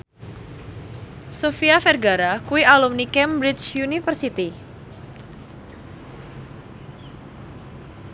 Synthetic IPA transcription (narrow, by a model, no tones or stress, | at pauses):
sofiafɛrɡaɾakuialumnikɛmbɾit͡ʃjunifərsit̪i